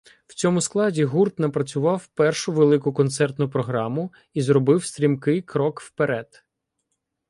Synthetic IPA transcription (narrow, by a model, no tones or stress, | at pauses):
w̥t͡sʲɔmʊsklˠɑdʲiɦurt̪nɐpɾɐt͡sʲʊʋɑwpɛrʃʊʋelˠɪkʊkɔnt̪sɛrt̪nʊpɾɔɦɾɑmʊ | izɾɔbɪwst̪ʲɾʲimkɪjkɾɔkwpeɾɛd̪̥